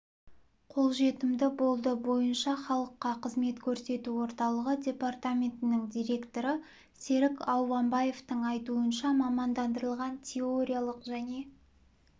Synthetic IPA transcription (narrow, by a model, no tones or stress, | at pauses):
qʰo̞lˠʒe̞t̪ɪmd̪ɪbo̞lˠd̪əbo̞jənʃɑχɑlˠəqːɑqʰəzme̞t̪kʲʰɵɾse̞t̪uwo̞ɾt̪ɑlˠəʁədʲe̞part̪amʲe̞nt̪ɪnɪŋd̪ʲijɾʲe̞kt̪o̞ɾə | se̞ɾɪkɑwvɑmbaje̞ft̪əŋɑjt̪uənʃɑmɑmɑnd̪ɑnd̪əɾəlˠʁɑntʲʰe̞o̞ɾʲijalˠəqʒæne̞